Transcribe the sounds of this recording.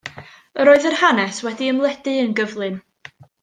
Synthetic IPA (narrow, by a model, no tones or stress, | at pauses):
əɾoːɨðərhanɛswɛdiəmlˠɛd̥ɨənɡəvlˠɨn